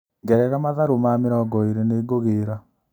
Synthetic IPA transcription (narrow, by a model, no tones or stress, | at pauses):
ŋɡɛɾɛɣamaðaɾomameɾɔɡɔiɾeneːɡoɣeːɾa